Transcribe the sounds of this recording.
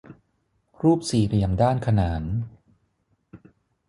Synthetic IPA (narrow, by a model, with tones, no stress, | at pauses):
ɾuː˥˩p̚siː˨˩ɾi˨˩əmdaː˥˩nkʰa˧naː˩˦n